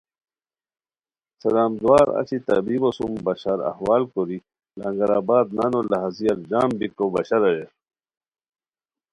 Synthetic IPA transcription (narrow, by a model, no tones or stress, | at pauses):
sɐlaːmd̪waːɾɐ̰t͡ɕit̪ɐ̰biːbosumbɐɕɐɾɐ̰hwaːlkoɾi | lɐŋɡɐɾaːbaːd̪̚nanolɐɦɐzijɐɾd͡ʑaːmbikobɐɕɐɾɐje